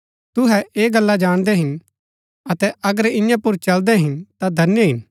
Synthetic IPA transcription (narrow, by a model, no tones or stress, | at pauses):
t̪ʊɦɛʔeːɡɐlːad͡ʒaːɽ̃d̪ɛɦɪn | ɐt̪ɛʔɐɡəɾɪ̃jãpʊɾt͡ʃɐld̪ɛɦɪnt̪ad̪ʱɐnjəɦɪn